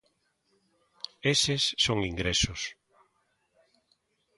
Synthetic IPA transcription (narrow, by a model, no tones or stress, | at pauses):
esesːoŋiŋɡɾesʊs